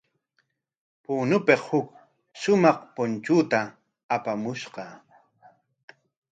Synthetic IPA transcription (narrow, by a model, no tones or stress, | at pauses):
puːnʊpeqhʊk | ʃʊmɑχpʊnt͡ʃuːt̪aː | pamʊʃqɑ